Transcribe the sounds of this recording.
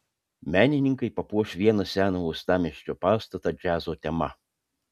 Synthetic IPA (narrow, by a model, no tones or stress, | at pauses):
mʲæːnʲɪnʲɪŋkɐɪpɐpuɔʃʲʋʲiɛnɐsʲæːnouːst̪ɑːmʲiʃʲt͡ʃʲoːpɑːst̪ɐt̪ɐd͡ʒʲæːzoːt̪ʲɛmɐ